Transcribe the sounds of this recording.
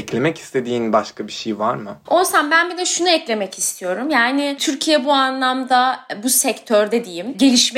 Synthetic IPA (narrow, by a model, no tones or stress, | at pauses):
ɛclʲe̞mɛci̥st̪ʰe̞d̪iːnbaʃkʰabiʃejvaɾmɯonsambænbilʲɛʃunuɛclʲe̞mɛcʰist̪ʰijo̞ɾumjaːnɪt̪ʰyɾcʰijɛbuanlˠamd̪abusɛct̪ʰøɾd̪ɛd̪ijimɟe̞lʲiʃmɛ